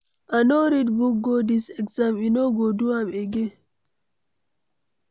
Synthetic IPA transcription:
ʔanoɾidbuɡɡodisɛksaminɔɡoduwamɛɡɛ

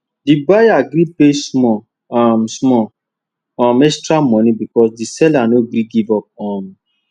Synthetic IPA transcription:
dibajaɡɾipesmɔ | ɔmsmɔ | ɔmɛstɾamɔ̃nĩbikɔsdisɛlanoɡɾiɡivɔp̚ɔm

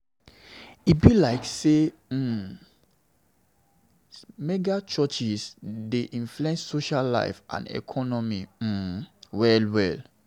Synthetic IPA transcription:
ibilaɪkse | mɛɡat͡ʃɔt͡ʃisdeʔĩnfluɛ̃nsːoʃalːa̰ɪfʔã̰nɛ̰kʰɔnɔmim̩wɛlwɛl

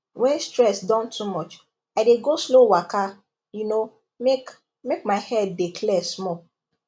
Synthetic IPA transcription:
wɛ̃nstɹɛsdɔ̃ntʰumɔt͡ʃ | aɪdeɡoslowaka | juno | mek | mek̚maɪhɛd̚ːikʰlɛsmɔ

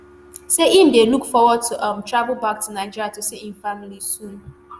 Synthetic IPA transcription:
seʔim̩delukfɔwɔd̚tʰuʔamtɹavʊl̩bak̚tunaɪd͡ʒiɾjatusiinfamilisũn

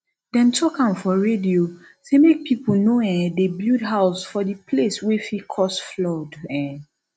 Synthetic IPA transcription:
dɛ̃ntʰɔkãmfɔɹedio | semek̚pʰipl̩noɛ̃debludɦaʊsfɔdipʰleswɛfikʰɔsflɔdɛ̃

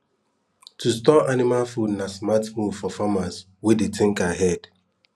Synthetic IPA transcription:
tʰustɔʔanimalfudnasmatmuvfɔfamas | wedetʰɪ̃ŋkaɦɛd̥

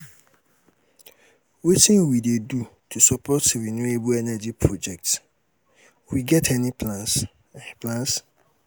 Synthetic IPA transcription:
wetĩnwidedutʰusɔpʰɔtɹinuebuɛnɛd͡ʒipʰɹɔd͡ʒɛk̚t | wiɡɛtʰɛnipʰlãns | pʰlãns

